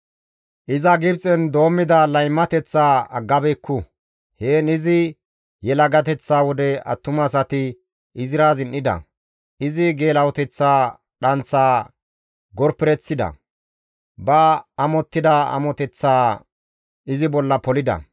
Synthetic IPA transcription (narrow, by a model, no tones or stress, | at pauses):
ʔɪzɐɡɪbt͡sʼɛnd̪o̞ːmːɪd̪ɐlɐjmːɐt̪ɛt͡sːaːɐɡːɐbɛkʰːʊ | heːnɪzɪ | jɛlɐɡɐt̪ɛt͡sːaːwɔd̪ɛɐ̰t̪ːʊmɐs̬ɐt̪ɪ | ʔɪzɪɾaːzɪnʔɪd̪ɐ̰ | ʔɪzɪɡe̞ːlɐwɔt̪ɛt͡sːaː | ɗɐnt͡sːaː | ɡɔɾpɪɾɛt͡sːɪd̪ɐ̰ | bɐɐmɔt̪ːɪd̪ɐɐ̰mɔt̪ɛt͡sːaː | ɪzɪbɔlːɐpɔlɪd̪ɐ̰